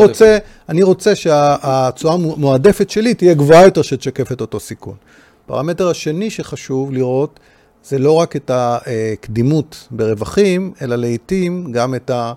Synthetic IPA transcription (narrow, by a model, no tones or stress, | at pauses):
ʁot͡se | aniʁo̞t͡se̞ʃeaːt͡suamoade̞fetʃe̞litije̞ɡvoajo̞te̞ʁʃet̪ʃake̞fe̞to̞to̞sikṵn | pa̰ʁame̞te̞ʁhaʃe̞niʃe̞χaʃuvliʁo̞t | z̥e̞lo̞ʁake̞taekdimutbe̞ʁe̞vaχime̞laleitimɡame̞ta